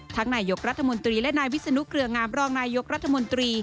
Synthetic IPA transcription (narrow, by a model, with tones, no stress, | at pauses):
t̪ʰaː˦˥ŋnaː˧jo˦˥k̚ɾa˦˥t̪ʰːa˧mo˧nt̪ɾiː˧lɛ˦˥naː˧jwi˦˥sa˧nu˦˥kʰɾɯ˧ɐŋaː˧˥mɾɔː˧ŋnaː˧jo˦˥k̚ɾa˦˥t̪ʰːa˧mo˧nt̪ɾiː˧